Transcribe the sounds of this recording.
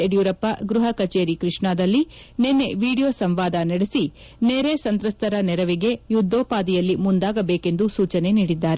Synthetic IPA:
eɖjuːɾɐpːɐɡɾuɦɐkɐt͡ʃeːɾikɾiʂɳaːd̪ɐlːinenːe̞ʋiːɽijo̞ːsɐmʋaːd̪ɐnɐɽesi | neːɾesɐnt̪ɾɐst̪ʰɐɾɐnɛɾɐʋiɡe̞jud̪ʱːoːpaːd̪ijɐlːimund̪aːɡɐbeːke̞nd̪usuːt͡ʃɐne̞niːɽid̪ːaːɾe

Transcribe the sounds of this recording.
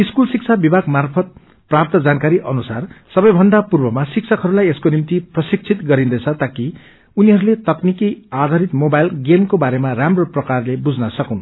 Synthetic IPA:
iskulsik̚t͡sʰabibʱaɡmarpʰʌt̪̚ | prap̚t̪ʌd͡zankaɾiʔʌnusarsʌbʌjbʱʌnd̪apurbʌmasik̚sʰʌkɦʌɾulajeskonimt̪iprʌsik̚t͡sʰit̪ɡʌɾĩnd̪ʌjt͡sʰʌt̪aki | uniɦʌɾulet̪ʌknikiad̪ʱaɾit̪mobajlɡemkobaɾemaɾamroprʌkarlebud͡zʱnʌsʌkũn

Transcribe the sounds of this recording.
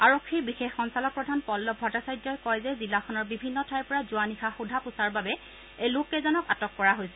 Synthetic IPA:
aɹokʰːibixexːɔnsalɔk̚pɹɔdʱanpɔlːɔbʱɔtasajdɔjkɔjzɛzilːakʰɔnɔɹbibʱinːɔtʰajpɔɹazʊanixaxudʱapʊsaɹbabɛ | ejlʊkːɛzɔnɔkatɔkːɔɹaɦojsɛ̥

